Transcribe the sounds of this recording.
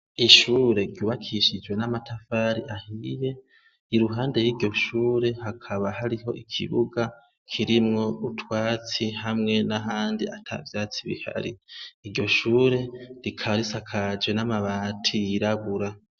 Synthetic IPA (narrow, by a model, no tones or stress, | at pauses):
iʃuːɾe̞ɾɟuːβakʰiʃid͡ʒwe̞namatafaːɾiʔahije̞ | iɾuɦaːnde̞jiːɾɟo̞ʃuːɾe̞hakʰaβahaɾiɦo̞̰ʔikʰḭβuɡa | kʰiɾimŋo̞utwaːt͡sihamŋe̞naɦaːndiatʰa̰vjaːt͡siβḭha̰ɾḭːɟo̞ʃuːɾe̞ɾikʰaβaɾisakʰad͡ʒɡwe̞namaβatʰijiɾaβuɾa